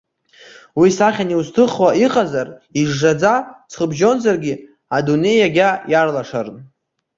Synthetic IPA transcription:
wisaχʲaniustʰɨχwaiqʼazariʐːad͡zat͡sʰχəbʒo̞nzarɡʲɪ | adune̞jaɡʲajarlaʂarn

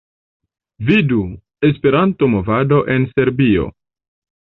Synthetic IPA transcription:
vidu | e̞spe̞ɾantomo̞vado̞ʔe̞nse̞ɾbio̞̰

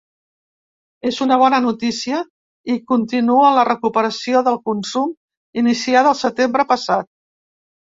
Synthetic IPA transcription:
ezunəβ̞ɔnənut̪isiə | ikunt̪inuələrəkupəɾəsioðəlˠkunsum | inisiaðəlˠsət̪embɾəpəsat̪̚

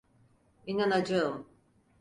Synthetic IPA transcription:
inanad͡ʒɯ

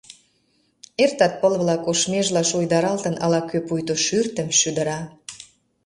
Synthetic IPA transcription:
ert̪ɑt̪̚pəlβlɑkoʃmeʒlɑʃujd̪ɑɾɑlt̪ə̆nɑ̰lɑkøpujt̪oʃyrt̪ə̆mʃyd̪ə̆ɾɑ

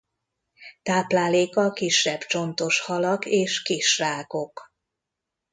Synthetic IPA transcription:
t̪aːplaːleːkɒkiʃːɛbt͡ʃo̞nt̪o̞ʃhɒlɒkeːʃkiʃraːko̞k

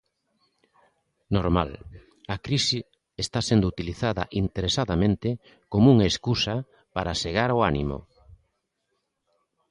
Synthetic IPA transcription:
noɾma̰l | akɾisi | est̪asend̪ʊut̪iliθaðɐ̰ʔint̪eɾesaðamẽnt̪ɪ | komuŋaeskusa | paɾaseɣaɾoanḭmo̰

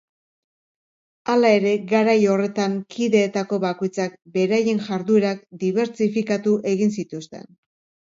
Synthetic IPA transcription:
alae̞ɾe̞ɡaɾajo̞re̞t̪aŋkʰiðe̞ːt̪ako̞βako̞jt͡sak̚be̞ɾaje̞nʝaɾðue̞ɾakd̪iβ̞e̞ɾt͡sifikat̪uʔe̞ɣinsit̪ust̪e̞̰n

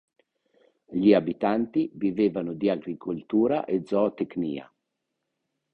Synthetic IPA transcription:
ʎiabit̪ant̪iviveːvanʊd̪iaɡɾikʰolt̪uːɾa̰ʔed̪zɔat̪eknḭːa̰

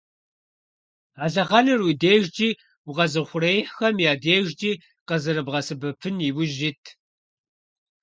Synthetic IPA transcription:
aːɮɐʁɑnɨrwideːʒd͡ʒʼiː | wʊʁɐzɨχʷʊrejħxɐmjaːdeːʒd͡ʒʼiː | qɐzɨɾɨbʁɐsɨbɨpʰɨniwʊʒitʰ

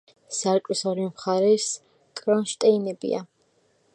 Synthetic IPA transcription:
saɾkʼisɔɾimχaɾɛs | kʼɾɔnʃt̪ʼɛinɛbḭa̰

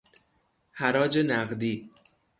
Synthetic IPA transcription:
hæɾɒːd͡ʒe̞næɣd̪iː

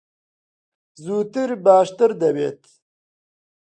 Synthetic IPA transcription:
zuːt̪iɾbaːʂt̪ɐɾd̪ɐwḛːt̪

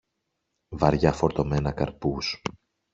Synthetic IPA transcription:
vɐɾʝɐfo̞ɾt̪o̞me̞nɐkɐɾpus

